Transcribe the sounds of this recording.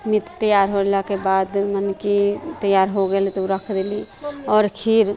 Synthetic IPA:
mit̪t̪əjaɾɦolakebad̪mənkit̪əjaɾɦoɡelit̪uɾəkʰd̪eli | ɔːɾkʰiɾ

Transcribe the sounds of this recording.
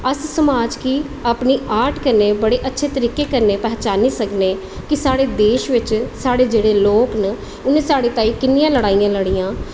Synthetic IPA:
əssəmaːd͡ʒkiː | aːpniːaːʈkəɾneːbəɽeːʔətːʃʰeːt̪əɾiːkeːkəɾneːpɛːt͡ʃaːniːsəkneː | kɪsaːɽeːd̪eːʃʋɪt͡ʃsaːɽeːd͡ʒeːɽeːloːknə | ʊnẽːsaːɽeːt̪ãːiːkɪnːijãːləɽaːijãːləɽiːãː

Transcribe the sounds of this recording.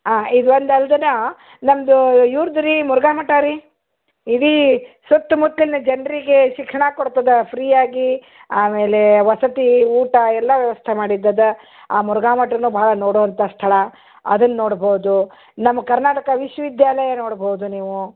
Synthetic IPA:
aːid̪uɐnd̪ɐld̪ɐnɐ | nɐmɐd̪ujuːɾd̪ɐɾimuɾɡaːmɐʈaːɾi | iɽisɐt̪ːmut̪lilnɐd͡ʒɐnɾiɡe̞ʃikʂɐɳaːkoɽt̪ɐd̪ɐpʰɾiːjaːɡi | aːme̞ːle̞ʋɐsɐt̪iuːʈɐɛlːɐʋjɐʋɐst̪ʰemaːɽid̪ːɐd̪ɐ | aːmuɾɡaːmɐʈɐnuːbʱɐɦɭɐnoːɽoːʋɐnt̪ɐst̪ʰɐɭɐ | ɐ̰d̪ɐnːɐːoːɽboɦud̪u | nɐmːɐkɐɾnaːʈɐkɐʋiʃʋɐʋid̪ʱjaːlɐjɐnoːɽboɦud̪uniːʋu

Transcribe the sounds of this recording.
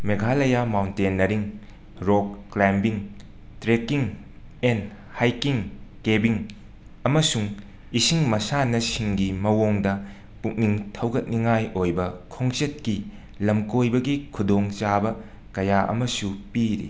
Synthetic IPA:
meɡʱalɐjamawntenːɐɾiŋ | ɾokːlambiŋ | tɾekiŋ | en | hajkiŋkebiŋ | ɐmɐsuŋ | isiŋmɐsanɐsiŋɡimɐwoŋdɐ | puk̚niŋtʰɐwɡɐt̚niŋajojbɐkʰoŋt͡ʃet̚ki | lɐmkojbɐɡikʰudoŋt͡ʃabɐ | kɐjaʔɐ̰mɐsupiɾḭ

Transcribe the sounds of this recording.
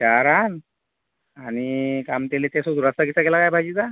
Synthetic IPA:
t͡ɕaɾan | aɽñikamt̪elet̪esod̪uɾəst̪akit͡sakelakajbʱajd͡ʑid͡z̪a

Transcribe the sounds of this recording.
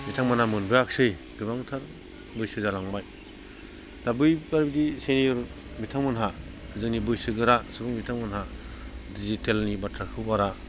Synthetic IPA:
mitʰaŋmanamɯnbɯjaksɯj | ɡ̥ɯbaŋtʰaɾ | bɯjsɯzalaŋbaj | dabɯjbaɾbidisenijuɾ | mitʰaŋmɯnɦa | zɯŋnibɯjsɯɡɯɾasɯbɯŋbitʰaŋmɯnɦadizitelnibatʰɾakʰɯbaɾa

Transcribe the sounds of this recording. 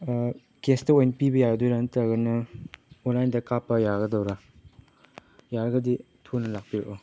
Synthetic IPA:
kestɐojnɐpibɐjaɡɐdojɾanɐtɐɡɐnɐunlajndɐkapːɐjaɡɐdɐwɾa | jaɾɐɡɐdi | tʰunɐlak̚piɾeʔo

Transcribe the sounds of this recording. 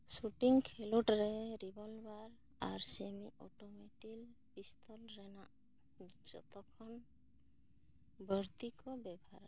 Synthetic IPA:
suʈiŋkʰeloʈɾɛɾibɔlbaɾ | aɾsemiʔɔʈomeʈilpist̪ʰɔlɾɛnaʔ | d͡ʒɔ̰t̪ɔkʰɔn | bəɾt̪ikɔbɛbɔaɾ

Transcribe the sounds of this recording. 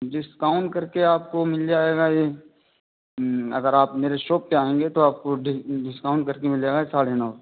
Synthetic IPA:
ɖɪskaːʊɳʈkɐɾkeaːp̚komɪld͡ʒaːeːɡaje | ɐ̰ɡəɾaːpmeːɾeʃoːpːeaːẽːŋɡet̪oaːp̚koɖɖɪskaːʊɳʈ̚kɐɾkemɪleːɡaesaːɽenaː

